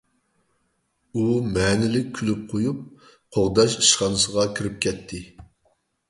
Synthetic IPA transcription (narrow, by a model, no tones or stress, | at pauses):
umɛnɪlɪk̚ʲkʲʰːylyp̚qʰojup̚ | qʰoʁd̪ɑʃi̥ʃχɑnɨsəʁɑkʲʰiɾɪp̚kʲʰɛt̪ʰːɪ